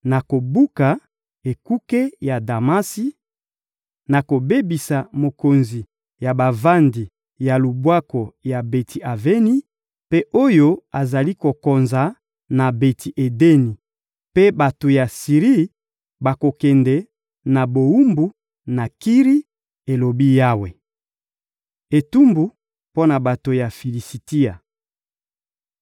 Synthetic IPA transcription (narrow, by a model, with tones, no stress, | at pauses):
na˨ko˨bu˦ka˨ | e˨ku˦ke˦ja˨da˨ma˦si˦ | na˨ko˨be˦bi˨sa˨mo˨ko˨nzi˨ | ja˨ba˨va˦ndi˨ | ja˨lu˨bwa˦ko˨ja˨be˨tʰi˨ʔa˨ve˦ni˦ | pe˦ʔo˦jo˦a˨za˨li˦ko˨ko˨nza˨ | na˨be˨tʰi˨ʔe˨de˦ni˨ | pe˦ba˨to˨ja˨si˨ʁi˦ | ba˨ko˨kɛ˨ndɛ˨ | na˨bo˨u˦mbu˦ | na˨ki˦ʁi˦ | e˨lo˨bi˦ja˦we˨ | e˨tu˦mbu˦ | po˦na˨ba˨to˨ja˨fi˨li˨si˨ti˦a˨